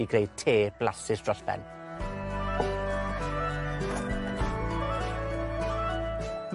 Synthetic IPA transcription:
iɡrejd̚tʰeːb̥lasɪsd̥rɔɬbɛ̰n | m

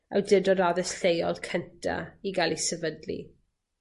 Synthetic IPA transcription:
a̰wdɪdɔdaðɛsɬejɔlˠkʰəntʰa̰iɡalˠisɛvədlḭ

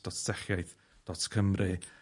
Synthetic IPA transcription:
d̥ɔtʰsɛχjajθ | d̥ɔtkʰəmrɨ

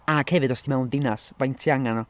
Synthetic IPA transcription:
aɡ̥hɛvɨdɔsdimɛwnðɪnasvajntʰjaŋanɔ

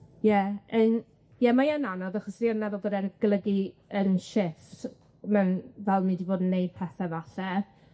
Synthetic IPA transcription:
jɛən | jɛmajananɔðaχɔsrianːɛvɔlˠbədɛnɡ̥lˠəɡiənʃɪft | mɛnvɛlˠmidiboːdənːejd̥̚pʰɛθɛvaɬɛ

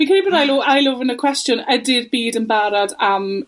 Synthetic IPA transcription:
vinkʰɛnibɔːdajloːʔajlʊvənəkʰw̥ɛstjɔnədɪrbiːdənbaɾadam

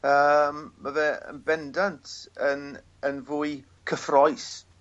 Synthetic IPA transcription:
əmːaðɛə̰nbɛndantʰən | ənvʊːɨ | kʰəfrɔjs

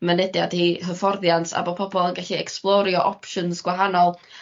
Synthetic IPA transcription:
mənɛdjadiɦəfɔrðjantʰa̰bɔpʰɔbɔlˠənɡaɬiɛksplˠɔɾjɔʔɔpʃɔnsɡ̥waɦanɔlˠ

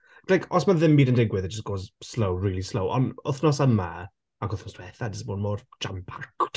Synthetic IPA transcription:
lajkʰɔsmanðɪmbiːdəndɪɡwɪðɪt̚dd͡ʒ̥əsɡ̥oːzslowɹiːlˠislowʔɔ̰nʊθnɔsanma | aɡʊθnɔstʰwɛθadəsmoːnmɔːrd͡ʒ̥ampʰak

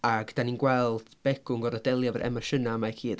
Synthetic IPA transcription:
aɡd̥aninɡwɛlˠd̥b̥ɛɡ̥ʊŋɡɔɾɔdɛlˠjavəɾʔɛ̰maʃənamajkʰiːd

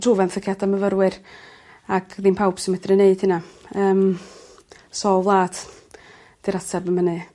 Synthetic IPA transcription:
druvɛnθəkʰjataməvəɾwɪr | aɡʰðinpʰawb̥sɪmədrɨneɨd̥hɪnaəːm | sɔlˠvlˠaːd̥ | d̥iɾatʰɛbəmənɨ

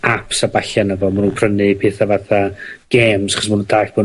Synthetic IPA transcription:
apsabaɬanəvɔmanuːnpʰrənɨpʰeːθavaθaɡ̥eːmsaχɔs̬manuntʰaːɬb̥ɔ

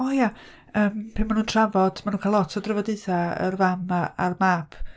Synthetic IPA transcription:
oja | əːmpʰenmanuːntʰravɔd̥manuːnkʰalˠɔtʰɔdrəvɔdɨθaə̰rvamaa̰rmapʰ

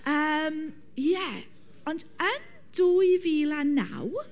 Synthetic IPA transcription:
əːm | jɛ | ɔndən | d̥uːjviːlana̰w

